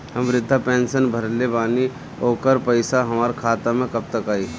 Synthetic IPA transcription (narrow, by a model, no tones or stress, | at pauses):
hɐmʋɾɪd̪ʱːapẽːnsənbʱɐɾlebaːni | oːkəɾpɐɪsaɦɐmaːɾkʰaːt̪amẽkɐb̚t̪əkaːiː